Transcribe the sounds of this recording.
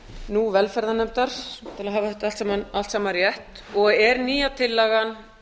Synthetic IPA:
nuvɛlfɛɾðanɛmt̪aɾ̥t̪ʰɪlaðɦaːvaθɛt̪aalt̪sɛmanal̥t̪saːmaɾjɛht̪ | ɔɣɛɾniːjat̪ʰɪlːaɣan

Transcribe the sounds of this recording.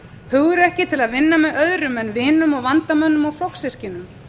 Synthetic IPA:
hʏɣðʏɾɛhcɪt̪ʰɪlaðvɪnːamɛðœðɾʏmɛnvɪːnʏmɔɣvant̪amœnːʏmawflowksɪscɪnʏm

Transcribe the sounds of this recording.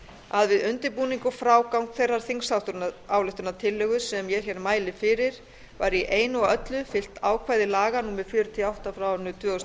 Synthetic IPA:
aðvɪðʏnt̪ɪɾpuːniŋkʏfɾaːwkawŋkθejrːaɾ̥θiŋsawht̪ʏɾnaːwlʏht̪ʏɾnat̪ʰɪlːœɣʏsɛmjɛɾ̥çɛɾmaːjlɪfɪɾɪɾ̥ | vaɾiʔeːjnʏɔɣœt̪lʏfɪl̥t̪aːwkʰvaːjðɪlaːɣanuːmɪðfjʏːɾʏt̪ʰɪawht̪afɾawnʏt̪ʰvœːɔs

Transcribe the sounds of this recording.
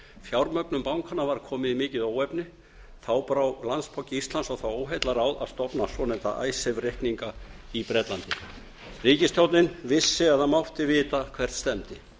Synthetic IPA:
fjawɾmœknʏmpawŋkʰanavaɾkʰɔːmɪðimɪːcɪðoːwɛpnɪ | θawpɾawlanspʰawcɪist̪lansawθawoːwɦejt̪laɾawða̰ðst̪ɔpnasɔnɛnt̪a̰ʔa̰jsɛvrehkniŋkaipɾɛt̪lant̪ɪ | riːcɪst̪ʰjowt̪nɪnvɪsːɪaðhamawht̪ɪvɪːt̪akʰv̥ɛr̥t̪st̪ɛmt̪ɪ

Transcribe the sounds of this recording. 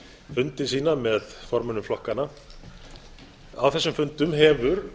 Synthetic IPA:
fʏnt̪ɪsiːnamɛðfɔɾmʏnʏmflɔhkanːa | a̰wθɛsːʏmfʏnt̪ʏmɦɛvʏɾ

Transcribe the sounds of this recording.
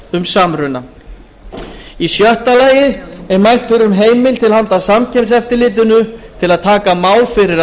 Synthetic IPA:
ʏmsaːmɾʏna | isjœht̪alaːjɪɛɾmajl̥t̪fɪɾɪʏmɦeːjmɪlt̪ʰɪlhant̪asamcʰɛmt̪s̬ɛft̪ɪɾlɪːt̪̬ʏnʏt̪ʰɪlaðt̪ʰaːkamaːwlfɪɾɪɾa

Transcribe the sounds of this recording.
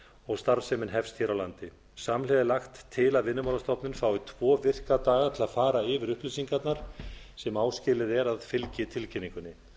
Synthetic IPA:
ɔɣst̪aɾsɛmɪnɦɛfst̪çɛɾawlant̪ɪ | samlɛðɪlaxt̪ʰːɪlaðvɪnːʏmawlast̪ɔpnɪnfaːwɪt̪ʰvɔːvɪr̥kat̪aːɣaɾt̪ʰɪlaðfaːɾaɪvɪɾʏhplɪsiŋkat̪naɾ̥sɛmaːwscɪlɪðɛɾaðfɪlcɪt̪ʰɪlcɪnːiŋkʏnːɪ

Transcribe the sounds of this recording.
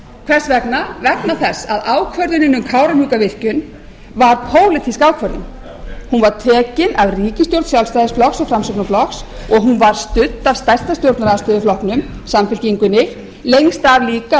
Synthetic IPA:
kʰvɛr̥svɛknavɛknaθɛsaðaːwkʰvœɾðʏnɪnʏmkʰaːwɾanhukavɪr̥cʏn | vaɾpʰoːwlɪt̪ʰiskaːwkʰvœɾðʏm | hunvaɾ̥t̪ʰɛːcɪnavriːcɪst̪jowɾt̪sjawlst̪ajðɪsflɔxsafɾamsœknaflɔksɔɣɦunvaɾ̥st̪ʏt̪ːav̥st̪ajr̥t̪ast̪jowɾt̪naɾaðst̪œːðʏflɔhknʏm | samfɪlciŋkʏnɪ | lejŋst̪avliːka

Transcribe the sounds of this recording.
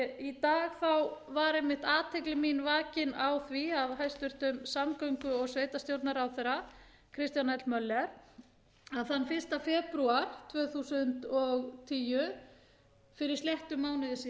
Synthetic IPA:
it̪aːɣθawvaɾejmːɪht̪aːt̪ʰeklɪminvaːcɪnawθviavɦajst̪ʏɾ̥t̪ʏmsamkœɥŋkʏɔɣsveːjt̪ast̪jowɾt̪naɾawθeɾa | kʰɾɪst̪janɛt̪lmœlːɛɾ | aðθanːfɪ̥st̪afɛːpɾuaɾ̥t̪ʰvœːθusʏnt̪ɔɣt̪ʰiːjʏ | fɪɾɪɾst̪ljɛht̪ʏmːaːwnɪðɪsi

